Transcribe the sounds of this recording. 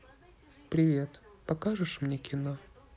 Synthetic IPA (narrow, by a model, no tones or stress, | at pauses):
pɾʲɪvʲe̞t̪pɐkaʐɨʂmnʲekʲʰɪno